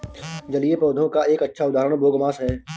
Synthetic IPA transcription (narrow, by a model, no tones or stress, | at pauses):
d͡ʒɐliepɾɔːd̪ʱõkaʔeːkɐtːʃʰaʊd̪aːɾəɽ̃boːɡmaːsɦɛː